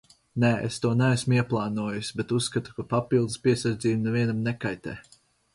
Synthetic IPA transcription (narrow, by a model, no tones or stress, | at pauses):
nɛḛst̪uɔnɛæsmuiɛplˠɑːnuɔjusʲibet̪usːkat̪u̥kapapilˠd̪ɨspʲiɛsaɾd̪ziːbunɛvʲiɛnamnɛkajt̪ɛ̰ː